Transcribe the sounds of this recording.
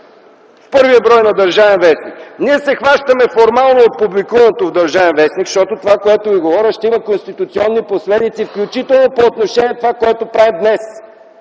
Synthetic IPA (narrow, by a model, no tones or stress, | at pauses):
fpɤɾviəbɾɔjnɐd̪ɐɾʒavɛnvɛsnikniɛsɛxvaʃt̪əmɛfoɾmalˠnoot̪̚publikuvɐnot̪ovd̪ɐɾʒavɛnvɛsnikʃt̪ɔt̪ot̪ovakoɛt̪oviɡovɔɾʲəʃt̪ɛimɐkonst̪it̪ʊt̪siɔnːiposlɛd̪it̪sifklʲut͡ʃit̪ɛlˠnopoːt̪noʃɛniɛt̪ovakoɛt̪opɾavɛd̪nɛs